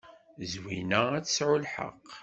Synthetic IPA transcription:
zwinææt͡sːə̥sʕulħə̰qː

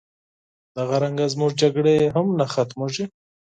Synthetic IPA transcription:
d̪aɣaɾaŋɡazmuʐd͡ʒaɡɽeɦamnaxat̪moʒi

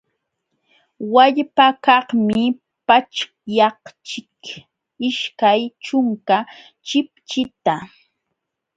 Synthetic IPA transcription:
waʎpakɑχmɪ | pat͡ʃ | jɑht͡ʃɪk | ɪʃkajt͡ʃʊŋka | t͡ʃɪp̚t͡ʃɪt̪a

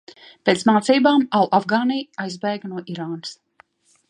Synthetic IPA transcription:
peːt̪smaːt̪siːbaːmawʔafɡaːnijajzbɛːɡnuɔʔiɾaːnɨs

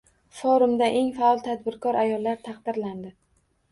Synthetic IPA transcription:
fɒɾʊmd̪aʔe̞ŋfaɒlˠt̪ʰad̪bɪɾkʰɒɾʔajɒlˠːaɾt̪ʰɑqd̪ɪɾland̪ɪ

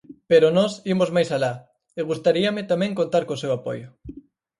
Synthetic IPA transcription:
peɾʊnɔsimozmajsala | eɣust̪aɾiɐmɪt̪amɛ̃ŋkõnt̪aɾkõsewapɔ̰jʊ

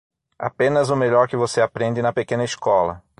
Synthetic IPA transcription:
a̰pẽnɐzʊmeʎɔɾkɪvoseapɾẽnd̪ɪnɐpekẽnɐiskɔlɐ̰

